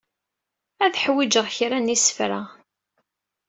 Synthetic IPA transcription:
æðħwid͡ʒəʁçɾænisə̥fɾa

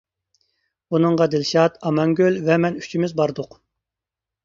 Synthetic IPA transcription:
bunɨŋʁɑd̪ɪlʃɑt̪ɑmɑŋɡʲølvɛmɛnyt͡ʃʰimɪzbɑɾd̪ʊq

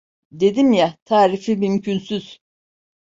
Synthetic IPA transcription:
d̪e̞d̪imjat̪ʰaːɾifimymcʰynsyz̥

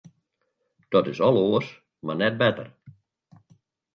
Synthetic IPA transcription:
d̥ɔtɪsɔlˠoəs | marnɛt̚bɛtə̰r

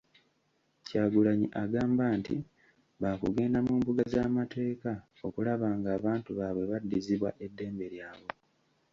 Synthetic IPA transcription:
caːɡulaɲḭʔaɡaːmbaːntḭ | βakuɡe̞ːndamuːmbuɡazaːmate̞ːka | o̞kulaβaːŋɡaːβaːntuβaβwe̞βadːiziβwaʔe̞dːe̞ːmbe̞ɾjaːβo

